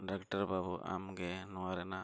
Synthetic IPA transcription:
ɖakʈɐɾbabuʔa̰mɡenuaɾena

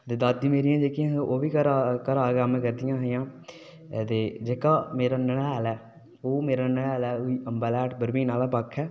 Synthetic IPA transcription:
t̪eːd̪at̪̚d̪iːmeːɾɪjãːd͡ʒeːkɪjãːẽʔoːʋiːkəɾakəɾaːɡəmkəɾd̪ɪjãːɦejãː | t̪eːd͡ʒeːkaːmeːɾaːnəɽːlɛː | oːmeːɾaːnəɽɛːlɛːoiːʔəmbaːlɛːʈbəɾmiːnaːlaːpəkʰːɛː

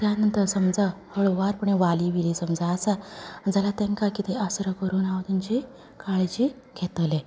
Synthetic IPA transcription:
t̪janənt̪əɾsəmd͡zat̪ʰoɭʋaɾpəɳeʋaliʋilisəmd͡zaːsad͡zalat̪ẽŋkakit̪eʔasɾəkəɾuːnaʋd̪unt͡ɕi | kaɭt͡ɕiː | kʰet̪le

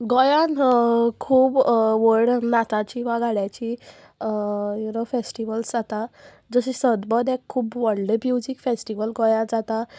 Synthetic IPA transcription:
ɡɔjãnkʰuːbʋəɾɽnat̪ãt͡ɕiʋaɡʱaɽjat͡ɕi | junofesʈiʋəlsd͡zat̪a | d͡zəɕisəd̪bəd̪ɛ̃kʰːuːbʋəɽɖəmjud͡ʑikfesʈiʋəlɡɔjãd͡zat̪a

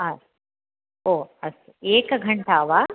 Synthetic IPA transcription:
ɐs | oːɐst̪eeːkɐɡʱɐɳʈaːʋaː

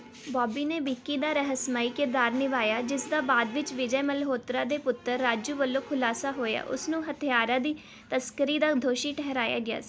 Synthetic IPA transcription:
bɔːbiːneːbiːkːiːd̪aːɾəɦəsmaːiːkɪɾd̪aːɾnɪʋaːjaːd͡ʒɪsd̪aːbaːd̪ʋɪt͡ʃʋɪd͡ʒɛːməlɦoːt̪ɾãːd̪eːpʊt̪ːəɾːaːd͡ʒuːʋəlːõːkʰʊlaːsaːɦoːja̰ːʔʊ̰snũːɦət̪ʰɪjaːɾãːd̪iː | t̪əskəɾiːd̪aːd̪ʱoːʃiːʈɛɦɾaːja̰ːɡɪa̰ː

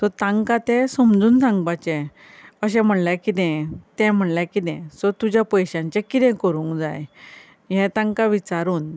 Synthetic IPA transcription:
t̪ɔt̪ãŋkat̪ɛ̃səmd͡zuːnsãŋɡbat͡ɕɛ̃ | əɕ̬ɛ̃m̤əɳljakit̪ɛ̃t̪ɛ̃m̤əɳljakit̪ɛ̰̃sɔt̪ud͡ʑjapəjɕãɲt͡ɕɛ̃kit̪ɛ̃kəɾũːŋkd͡za̰j | ɦɛ̃t̪ãŋkaʋit͡saɾuːn

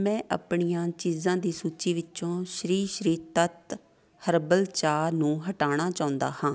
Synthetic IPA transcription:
mɛ̃ːʔa̰ːpɳijãːt͡ʃiːzãːd̪iːsuːt͡ʃiːʋɪt͡ʃõːʃɾiːʃɾiːt̪ət̪ | həɾbəlt͡ʃaːnũːɦəʈaːɽ̃aːt͡ʃaːʊ̃nd̪a̰ːhãː

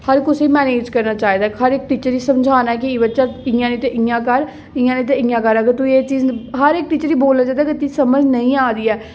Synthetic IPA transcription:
həɾkʊsiːmɛːneːd͡ʒkəɾnaːt͡ʃaːiːd̪aːkɦəɾɪk̚ʈiːt͡ʃəɾiːsəmd͡ʒʱaːnaɛk̬iiːbəːʃaːɪãːnĩːt̪eʔɪãːkəɾ | ɪ̃ãːnĩːt̪̬eɪ̃ːãːkəɾəɡəɾt̪ueːt͡ʃiːzɦəɾɪk̚ʈiːt͡ʃəɾiːboːlnaːt͡ʃaːd̪aːkɪt̪iːsəməd͡ʒnəĩːaːd̪iːɛː

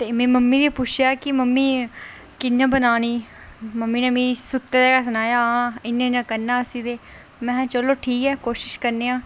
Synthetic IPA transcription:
t̪eːmɛ̃ːməmːiːd̪iːpʊt͡ʃʰjaːkɪməmːiː | kɪnːãːbənaːniːməmːiːnẽːmĩːsʊt̪ːeːd̪eːkasənaːjaːɪnːẽːnãːkəɾnːaːəsĩːd̪eː | mɛ̃ːt͡ʃəloːʈʰiːkɛːkoːʃɪʃkəɾneːãː

